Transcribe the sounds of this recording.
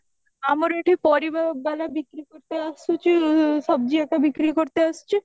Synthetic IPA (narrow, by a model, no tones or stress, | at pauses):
amaɾeʈʰipɔɾibabɛlabikɾikoɾt̪easut͡ɕʰiʃɔb̚d͡ʑiɛk̚ʈabikɾikoɾt̪eaʃt͡ɕʰi